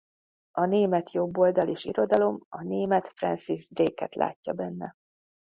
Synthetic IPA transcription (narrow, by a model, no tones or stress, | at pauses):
ɒneːmɛt̪jo̞bːo̞ld̪ɒleːʃḭɾo̞d̪ɒlo̞mɒneːmɛt̪frɛ̰nsizd̪reːkɛ̰t̪lʔa̰ːcːɒbɛnːɛ̰